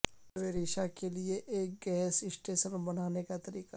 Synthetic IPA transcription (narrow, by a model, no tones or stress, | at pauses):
ʋeːɾiːʃakelieʔːk̚ɡɛːsɪsʈeːʃənbɐnaːnekat̪ɐɾiːqa